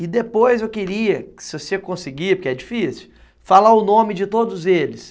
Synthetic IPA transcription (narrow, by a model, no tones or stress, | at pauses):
ɪd̪epojzewkɪɾiɐkɪ̥sɪvosekõsɪɡipoɾkeɛd͡ʒifisju̥ | falaʊnõmɪd͡ʒɪt̪od̪ʊzelɪs